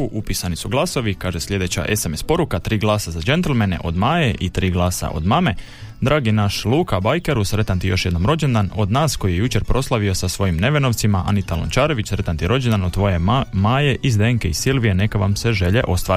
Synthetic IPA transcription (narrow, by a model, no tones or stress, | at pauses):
uʔupisanisuɡlˠaːso̞ʋikaːʒeslʎʲe̞d̪e̞t͡ɕa̰ʔe̞semespo̞ɾukat̪ɾiːɡlˠaːsazad͡ʒe̞nt̪elmenḛʔo̞d̪maːjeʔit̪ɾiːɡlˠaːsa̰ʔo̞̰d̪maːme̞ | d̪ɾaːɡinaʃlˠuːkabajkeɾusɾe̞t̪ant̪ijo̞ʃje̞d̪no̞mɾo̞d͡ʑend̪ano̞d̪naːsko̞jijejut͡ʃe̞ɾpɾo̞slˠaʋio̞sasʋo̞jimne̞ʋeno̞ʋt̪simaʔa̰nit̪alo̰nt͡ʃaːɾo̞ʋit͡ɕsɾe̞t̪ant̪iɾo̞d͡ʑend̪anod̪t̪ʋo̞je̞maːje̞ʔizd̪eːŋke̞isilʋijene̞kaʋamse̞ʒe̞ʎe̞̰ʔo̞st̪ʋaːɾ